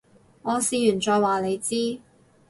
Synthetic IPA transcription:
ŋɔː˨˧siː˧jyː˨˩nt͡ʃɔː˧jwaː˨˩le˨˧jt͡siː˥

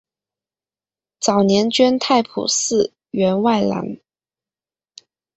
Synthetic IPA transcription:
t͡sɑ˨˩ʊnjɛ˧˥nt͡ɕɥɛ˥nt̪ʰa˥˩ɪpʰṵ˨˩sɹ̩˥˩ | ɥɛ˧˥nwa˥˩ɪla̰˧˥n

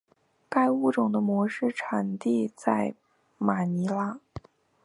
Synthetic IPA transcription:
ka˥ɪu˥˩ʈ͡ʂʊ˨˩ŋd̪ə˦mwɔ˧˥ʂɻ̩˥˩ʈ͡ʂʰa˨˩nt̪i˥˧t͡sa˥˩ɪ | ma˨˩ni˧˥la˧˥˦

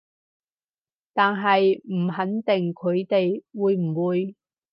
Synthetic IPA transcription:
t̪aː˨nɦɐ˨jm̩˨˩ɦɐ˨˥nt̪ɪ˨ŋkʰɵ˨˧ɥt̪e˨jwuː˨˧jm̩˨˩wuː˨˧j

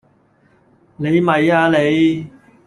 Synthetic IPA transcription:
le˨˧jmɐ˨jaː˧le˨˧j

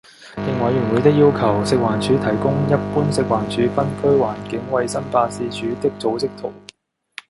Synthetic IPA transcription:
jɪ˨ŋwɐ˨˧jɥyː˨˩nwu˨˧jt̪ɪ˥k̚jiː˥wkʰɐ˨˩wsɪ˨k̚waː˨˩nt͡ʃʰyː˨˧t̪ʰɐ˨˩jkʊ˥ŋjɐ˥puː˥nsɪ˨k̚waː˨˩nt͡ʃʰyː˨˥fɐ˥nkʰɵ˥ɥwaː˨˩nkɪ˨˥ŋwɐ˧jsɐ˥npaː˧siː˧t͡ʃʰyː˨˧t̪ɪ˥k̚t͡so˨˥wt͡sɪ˥k̚t̪ʰo˨˩w

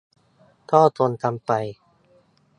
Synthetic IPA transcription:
t̪ʰɔː˥˩t̪o˧nt̪ʰa˧mpa˧j

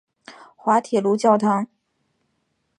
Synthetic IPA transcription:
xwa˧˥t̪ʰɛ˨˩lu˧˥t͡ɕjɑ˥˩ʊt̪ʰɑ˧˥ŋ

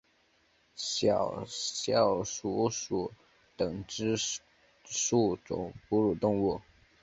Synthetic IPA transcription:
ɕjɑ˨˩ɕjɑ˨˩ʊʂu˧˥su˧˩ | t̪ɤ˨˩ŋʈ͡ʂɻ̩˥ | ʂu˥˩ʈ͡ʂʊ̰˨˩˦ŋpu˥ɻu˨˩t̪ʊ˥˧ŋwu˥˩

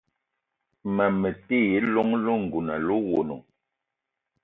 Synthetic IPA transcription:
ma˨me˨te˦˨je˨˦lɔ˦ŋlo˦ŋ̩˨ɡu˨na˨lo˦wo˨no̰˨

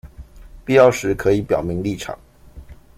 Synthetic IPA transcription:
pi˥˧jɑ˥˩ʊʂɻ̩˧˥kʰɤ˧˥i˨˧˥pjɑ˨˩ʊmi˧˥ŋli˥˩ʈ͡ʂʰɑ̰˨˩˦ŋ

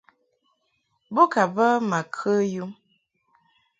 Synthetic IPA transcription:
bo˦ka˨bə˦ma˨kʰə˦ju˦

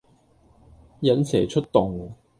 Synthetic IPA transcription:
jɐ˨˥nsɛː˨˩t͡ʃʰɵ˥t̚t̪ʊ˨˩ŋ

